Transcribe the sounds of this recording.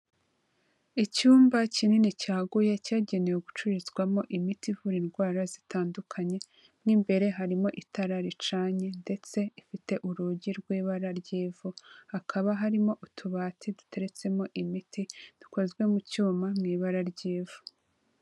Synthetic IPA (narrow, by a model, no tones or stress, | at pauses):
icuːmbacininicaːɡuje̞caːɟe̞nejoɡut͡ʃuɾizɡwamo̞ʔimitivuɾiːnɡwaːɾazitʰaːndukʰaɲe̞ | mŋiːmbe̞ɾe̞ɦaɾimo̞ʔitaɾaɾit͡ʃaːɲe̞nde̞t͡se̞ifite̞ʔuɾuɟiɾɡwiːβaɾaɾɟeːvuhakʰaβaɦaɾimo̞ʔutʰuβaːtʰidu̥te̞ɾe̞t͡se̞mo̞ʔimitid̥u̥kozɡwe̞mucuːmamŋiːβaɾaɾɟeːvu